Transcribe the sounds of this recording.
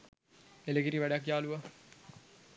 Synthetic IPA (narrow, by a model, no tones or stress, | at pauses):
elekiɾiʋæɖak̬jaːluʋa